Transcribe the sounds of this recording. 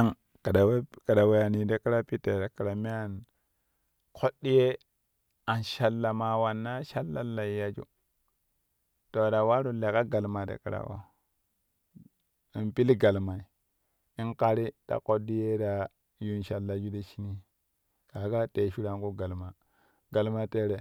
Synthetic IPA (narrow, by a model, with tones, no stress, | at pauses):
a˦ŋ | ka˨da˨wka˨da˨we˨ja˨ni˨de˦ki˦ɾa˦pi˦te˨da˨ki˨ɾa˨me˦a˨n | kʰo˦dːi˦je˦ | a˨nʃa˨lːa˨ma˨wa˨nːa˦ʃa˦lːa˨lːa˨ja˨d͡ʒṵ˦ | to˨da˨wa˦ɾu˨le˨ka˦ɡa˨lma˨da̰˨kḭ˨ɾa̰˨wa̰˨ | i˨npi˦lɡa˨lma˨i˨ | i˦nka˦ɾi˦d̥a̰˨ko˦di˦je˦da˨ | ju˦nʃa˨lːa˨d͡ʒu˦de˦ʃi˦ni˦ | ka˨˦ka˦te˨ʃu˦ɾa˨ŋku˦ɡa˨lma˨ | ɡa˨lma˦te˦ɾe˨